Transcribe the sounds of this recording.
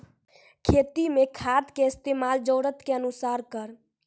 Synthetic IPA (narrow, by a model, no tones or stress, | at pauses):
kʰeːt̪imekʰaːd̪keɪst̪eːmaːld͡ʒəːɾət̪keənusaːɾkəɾ